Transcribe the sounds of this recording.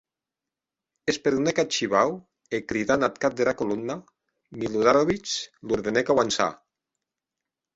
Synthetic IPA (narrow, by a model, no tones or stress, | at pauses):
espeɾðunekat͡ʃiβaw | ekɾiðanat̪kat̪̚d̪eɾakolumna | miluðaɾoβit͡ʃluɾðenekawansa̰